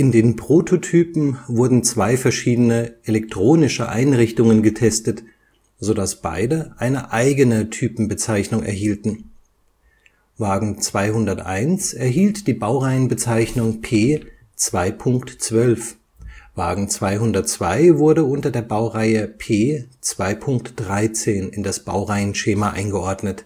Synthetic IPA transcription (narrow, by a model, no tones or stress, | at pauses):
ʔɪndeːnpʁ̥otʰotʰyːpm̩vʊɐdn̩t͡sv̥aɪfɛɐʃiːdənəʔelɛk̚tʁ̥oːnɪʃəʔa̰ɪnʁɪçtʊŋənɡətʰɛstət | z̥odasb̥a̰ɪdəʔaɪnəʔaɪɡənətʰyːpm̩bət͡saɪçnʊŋɛ̰ɐɦiːltn̩ | vaːɡŋ̩t͡sv̥aɪɦʊndɐtʔa̰ɪnsɛɐɦiːltd̥iːbaʊʁaɪənbət͡saɪçnʊŋpʰeː | t͡sv̥aɪpʰʊŋktt͡sv̥œlf | vaːɡŋ̩t͡sv̥aɪɦʊndɐt̚t͡sv̥a̰ɪvʊɐdəʊntɐdeːɐbaʊʁaɪəpʰeːt͡sv̥aɪpʰʊŋk̚td̥ʁaɪt͡seːnɪndasb̥a̰ʊʁaɪənʃeːmaʔa̰ɪnɡəʔɔɐdnət